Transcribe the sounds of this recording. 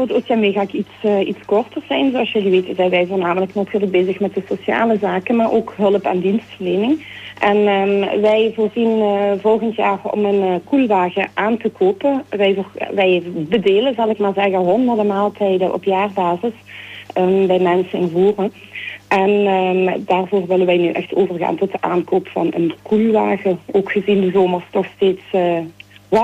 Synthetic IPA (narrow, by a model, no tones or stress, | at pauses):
voːrtosjambeːɣaːɪkitsitskɔrtərzɛjnzoɑlˠsjəliʋeːtəzɛjʋɛjvoːrnaːmələknatʰyːrləɡ̚beːzəxmɛt̚dəsosja̰ːləzaːkənmaːrʔo̰ːkɦɵlˠəpɛ̰ndinstfərleːnɪŋ | ʔɛnʋɛjvoːrzinvɔlˠɣəntjaːrɔ̰mənkulʋaːɣəʔaːntəkʰoːpəʋɛjrʋɛjbədeːləzɑlˠɪkmaːɹzɛɣəɦɔndərdəmaːlˠtʰɛjdəʔɔ̰pjaːrbaːzəsəbɛjmɛnsənɪnvuːrə | ʔɛndaːrvoːrʋɪlənʋɛjnyʔɛ̰xtʰoːvərɣa̰ːntɔtəʔaːnkoːpfɑ̰nə̰nkulˠʋaːɣəoːkxəzindəzoːmərstɔxsteːtsː